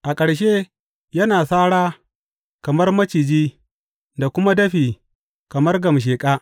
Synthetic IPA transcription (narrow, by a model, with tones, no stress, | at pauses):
ʔa˨kʼɐ˨ɽʃ̬e˦ | jɐ˦naː˨saː˦ɽaː˦ | kɐ˨mɐ˦rmɐ˦t͡ʃi˨d͡ʒiː˦ | da˨kʷʊ˦ma˦dɐ˦ɸiː˨ | kɐ˨mɐ˦rɡɐ˨mʃ̬eː˨kʼaː˦